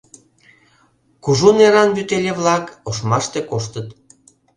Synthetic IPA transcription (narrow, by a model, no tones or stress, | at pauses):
kuʒuneɾɑnbyt̪elʲeβlɑkoʃmɑʃt̪ekoʃt̪ət̪